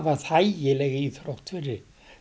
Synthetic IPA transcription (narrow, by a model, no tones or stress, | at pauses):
vaθajjɪlɛɣɪiθɾowht̪fɪɾɪ